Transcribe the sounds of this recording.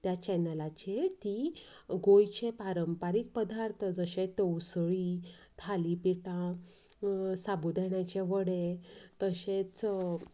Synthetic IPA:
t̪jat͡ɕɛnəlat͡ɕet̪i | ɡojt͡ɕepaɾəmpaɾik̚pəd̪ʱaɾt̪ʰəd͡zəɕẽt̪owsɭi | t̪ʰalipiʈã | sabud̪ʱeɳjat͡ɕeʋəɽet̪əɕet͡s

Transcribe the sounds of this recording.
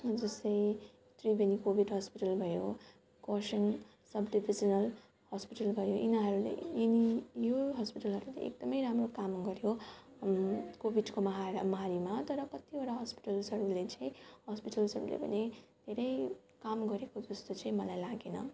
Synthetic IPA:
d͡zʌst̪ʌj̃ | t̪ribenikobʱiɖɦʌspiʈʌlbʱʌjo | kʌsʌn | sʌbɖibʱid͡zʌnʌl | hʌspiʈʌlbʱʌjoʔinʌɦʌɾulḛenijoɦʌspiʈʌlɦʌɾulḛḛk̚d̪ʌmʌjɾamrokamɡʌɾjo | kobʱiɖkomʌɦmʌɦaɾimat̪ʌɾʌkʌt̪ioɾaɦʌspi̥ʈʌlsʌɾuɡlet͡sʌĩhʌspiʈʌlsʌɾulḛpʌ̰ned̪ʱeɾʌj | kamɡʌɾekod͡zʌst̪ot͡sʌĩmʌlajlaɡenʌ̰

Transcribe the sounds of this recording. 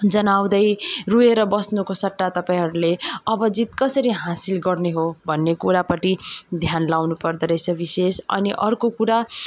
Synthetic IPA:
d͡zʌnaw̃d̪ʌjrueɾʌbʌsnukosʌʈːat̪ʌpãĩɦʌɾuleʌbʌd͡zit̪kʌsʌɾiɦãsilɡʌrneɦobʱʌnːekuɾapʌʈid̪ʱjanlawnupʌrd̪ʌɾʌjt͡sʰʌbisesʌ̰niʔʌrkokuɾa

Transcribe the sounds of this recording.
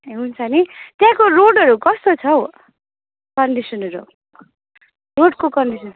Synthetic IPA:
ɦunt͡sʰʌnit̪jãkoɾoɖʌɾukʌst̪ot͡sʰʌ | kʌɳɖisʌnʌɾu | roɖkokʌɳɖisʌn

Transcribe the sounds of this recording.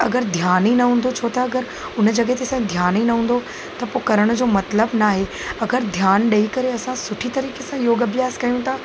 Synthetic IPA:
ɐɡəɾd̪ʱjaːninɐɦũːn̆d̪ot͡ɕʰoːt̪ɐɐɡəɾ | ʊn̆d͡ʑɐɡɦet̪esãd̪ʱjaːninɐɦũːn̆d̪o | t̪ɐpokɐɾəɽ̃d͡ʑoːmɐt̪ləbnaːɦe | ɐɡəɾd̪ʱjaːnɗɐikɐɾeɐsãsʊʈʰit̪ɐɾiːkesãjoːɡəʋjaːskɐijũt̪ʰaː

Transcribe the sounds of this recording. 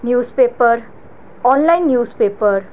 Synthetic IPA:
njuspepʌr | ɔnlajnːjuspepʌr

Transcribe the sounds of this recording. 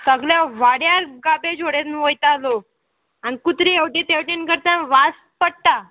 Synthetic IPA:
səɡljaʋaɽjaɾɡabed͡ʑʱoɽenʋojt̪alo | anikut̪ɾieʋʈĩt̪ewʈinkəɾt̪ãʋas | pəɽt̪a

